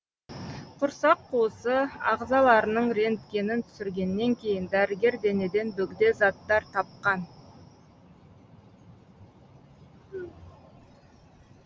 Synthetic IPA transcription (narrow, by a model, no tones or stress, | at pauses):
qʰʊɾsɑqːʰuəsəɑ̰ʁzɑlˠɑɾənəɴɾe̞nt̪kʲe̞nɪnt̪ʰʏ̥sɪɾɡʲe̞nːe̞ŋkʲʰe̞jɪnd̪æɾɪɡʲe̞ɾd̪e̞ne̞d̪e̞nbɵɡd̪e̞zɑt̪ːɑɾt̪ʰɑp̚qɑn